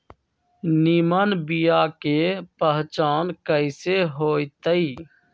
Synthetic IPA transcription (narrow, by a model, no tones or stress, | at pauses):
niːmənbijaːkeːpəɦt͡ʃaːnkəɪseːɦoːit̪əiː